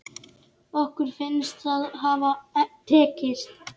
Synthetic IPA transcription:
ɔhkʏɾ̥fɪnːst̪θaðɦaːvat̪ʰɛːcɪst̪

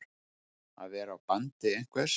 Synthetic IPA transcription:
a̰ðvɛːɾaːwpant̪ɪejŋ̥kʰvɛɾ̥

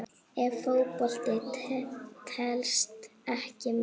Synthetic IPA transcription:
ɛɾfowpɔl̥t̪ɪ | t̪ʰɛlst̪ɛhcɪm

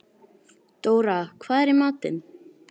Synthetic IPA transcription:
t̪oːwɾakʰvaːðɛɾɪmaːt̪ɪ̰n

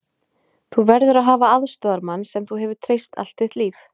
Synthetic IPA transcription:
θuvɛɾðʏɾaðɦaːvaaðst̪ɔaɾmanːsɛmθuɦɛvʏ̥t̪ʰɾejst̪ʰa̰l̥t̪θɪt̪liːf

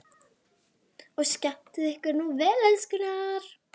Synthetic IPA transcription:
ɔɣscan̥t̪ɪðɛhkɪɾnuvɛːlɛnskʏnaɾ̥

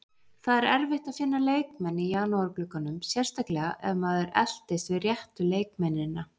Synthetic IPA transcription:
θaðɛɾɛɾvɪht̪aðfɪnːaleːjkmɛnːɪijaːnɔɔɾklʏkːanʏmsjɛr̥st̪ahklɛɣaʔɛvmaðɛɾɛl̥t̪ɪsvɪðrjɛht̪ʏleːjkmɛnːɪnːa

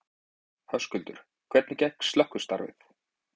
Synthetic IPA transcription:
hanscʏlt̪ʏɾ̥ | kʰvɛt̪nɪcɛjhkst̪lœhkʏ̥st̪a̰ɾvɪ̰θ

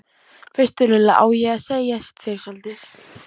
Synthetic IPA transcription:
fɪst̪ʏɾlɪlaʔa̰ːwjɛasejast̪θeɾ̥sant̪ɪθ

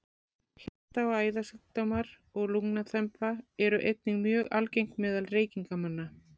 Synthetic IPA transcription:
hḁt̪aɔɣaːjðasʏkt̪omaɾ | ɔɣluŋnaθʰɛmpaɛɾʏʔejt̪̚niŋmjœːɣa̰lcejŋ̥k̪mɛːðalreːjciŋkamanːa

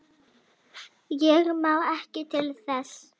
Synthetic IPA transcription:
jɛɣmaðɛhcɪt̪ʰɪlθɛs

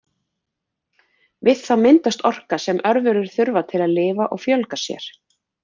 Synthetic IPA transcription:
vɪðθaðmɪnt̪ast̪ɔr̥kasɛmʔœɾvɛɾʏɾ̥θʏɾvat̪ʰɪlaðlɪːvaʔɔɣfjœlkasjɛ̰ɾ̥

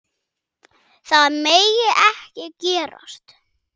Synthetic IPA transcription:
θaðmeːjɪʔɛhcɪcɛːɾa̰st̪

